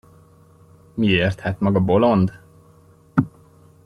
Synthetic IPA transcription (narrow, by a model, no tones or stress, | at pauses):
mieːrt̪hɛt̪mɒɡɒbo̞lo̞nd̪